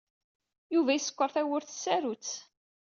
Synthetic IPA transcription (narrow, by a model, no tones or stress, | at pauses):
juvæjisə̥kʷːəɾˤθæwʊɾθə̥sːæɾut͡sː